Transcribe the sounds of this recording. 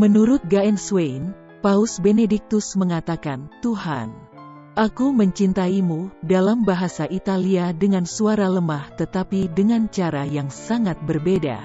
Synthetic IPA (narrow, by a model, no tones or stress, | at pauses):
mənuɾʊt̪̚ɡaɛnswejn | pausbenedik̚t̪ʊsməŋat̪akant̪uɦa̰n | ʔakuməɲt͡ʃint̪aimudalambaɦasaʔit̪aliadəŋansuaɾaləmaht̪ət̪apidəŋant͡ʃaɾajaŋsaŋat̪̚bərbeda̰